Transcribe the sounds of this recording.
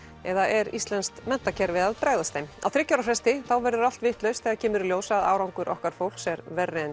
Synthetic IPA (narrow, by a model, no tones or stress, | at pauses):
ɛðaʔɛɾist̪lɛnst̪mɛn̥t̪acʰɛɾvɪðaðpɾaːjðast̪ejmawθɾɪcːawɾafɾɛst̪ɪθawvɛɾðʏɾal̥t̪vɪht̪lœɥst̪θɛːɣacʰɛːmʏɾljoːwsaða̰ːwɾawŋkʏɾʔɔ̰hkaɾ̥fowl̥ksɛɾvɛrːɪn